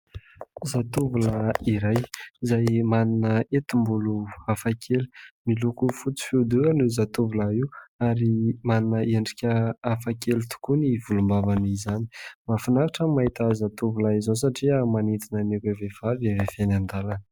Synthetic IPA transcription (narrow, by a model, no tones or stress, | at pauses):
zat̪uvuləiɾajizajmaninəet̪imbuluafakʰelu̥milukufut͡si̥feud̪uanuzat̪uvulaiwaɾimaninəeɳɖ͡ʐikʲəːfakelut̪u̥kunivulumbavanizani̥mafinaɾaʈ͡ʂəmait̪azat̪uvulaizansaʈ͡ʂiamanit̪inənikʲevev̥avavefanand̪alanə̥